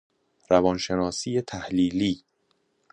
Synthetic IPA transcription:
ɾævɒnʃe̞nɒːsiːjet̪ʰæhliːliː

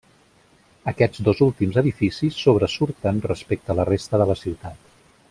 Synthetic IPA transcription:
əkɛd͡zd̪ozulˠt̪imzəðifisisːoβ̞ɾəsuɾt̪ənrəspek̚t̪ələrest̪əðələsiwt̪at̪

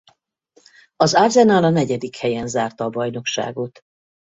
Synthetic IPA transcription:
ɒzarzɛnalɒnɛɟɛd̪ikhɛjɛnzaːrt̪ɒːbɒjno̞kʃa̰ːɡot̪

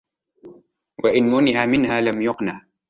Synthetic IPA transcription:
waʔɪnmʊnɪʕamɪnhaːlamjʊqnaʕ

